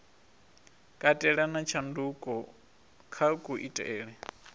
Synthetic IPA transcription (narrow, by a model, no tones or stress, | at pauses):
kʼatʼɛɺanat͡ʃʰandukʼɔ | kʰakʼuʔitʼɛːɺɛ